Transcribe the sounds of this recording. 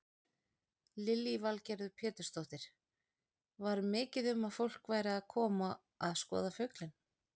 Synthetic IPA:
lɪlivalcɛɾðʏpʰɛːt̪ʏ̥ɾ̥st̪owht̪ɪɾ̥ | vaɾmɪːcɪðʏmaðfowl̥kvaːjɾaːðkʰɔːma | aðskɔ̰ːðafœɥklɪn

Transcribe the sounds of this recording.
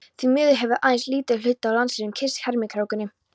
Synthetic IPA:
θvimʏːðʏɦɛvɪʔaːjnsliːt̪ɪl̥ʏht̪ːaawlansɪnʏmcʰɪshɛɾmɪkʰɾawkʏnːɪ

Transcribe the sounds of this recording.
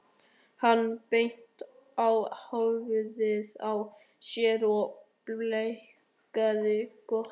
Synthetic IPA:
hanːpejn̥t̪ | awhawvʏðɪðaw | sjɛːɾɔ | lej | kaðɪkɔ

